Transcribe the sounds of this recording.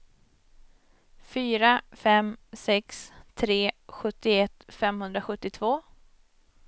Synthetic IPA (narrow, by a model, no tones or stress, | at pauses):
fyːɾafɛmsɛkst̪ʰɾeːɧɵt̪ːɪɛt̪ːfɛmhɵnd̪ɾaɧɵt̪ːɪt̪ʰvoː